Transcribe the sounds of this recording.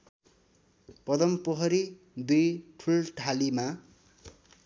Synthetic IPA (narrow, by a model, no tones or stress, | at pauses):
pʌd̪ʌmpʌɦʌɾi | d̪ujʈʰulʈʰalima